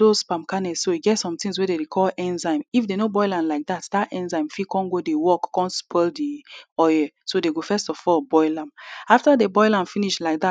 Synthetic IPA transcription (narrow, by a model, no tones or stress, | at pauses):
d̥ospãmkanɛssoiɡɛtsɔ̃mtĩŋzwɛdeɾikʰɔlʔɛ̃nzãɪ̃mifdenobɔɪlãnlaɪk̚datdatɛ̃nzãɪ̃mfikʰɔ̃nɡodewɔkːɔ̃nspʰɛldiɔjɛsodeɡofɛstɔfɔlbɔɪlãmaftədebɔɪlãmfiniʃlaɪk̚ða